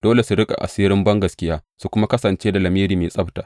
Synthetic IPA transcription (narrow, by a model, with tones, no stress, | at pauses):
d̥oː˦le˨su˨ɽɪ˦kʼa̰˨ʔa̰˨siː˦ɾɪ˦mbɐ˦ŋɡɐ˨skʲɪ˦jaː˦su˦kʷʊ˦ma˦kɐ˦sɐ˨nt͡ʃeː˦da˨lɐ˨miː˦ɾiː˨meː˨sʼɐ˦btaː˨